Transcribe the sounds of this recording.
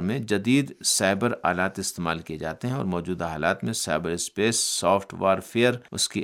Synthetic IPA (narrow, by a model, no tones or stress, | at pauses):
ɾmẽd͡ʒɐd̪iːd̪saːɪbəɾa̰ːlaːt̪ɪst̪eːmaːlkijed͡ʒa̰ːt̪eɦɛ̃ɔ̰ːɾmɔːd͡ʒuːd̪aɦaːlaːt̪mẽsaɪbəɾɪspeːsːɔːfʈʋaːɾfeːəɾʊ̰ski